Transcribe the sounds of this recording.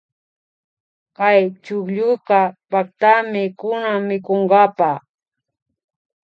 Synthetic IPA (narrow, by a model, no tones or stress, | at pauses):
kajt͡ʃʊkʎʊqɑpakt̪amɪkʊnamːɪkoɴɢɑpɑ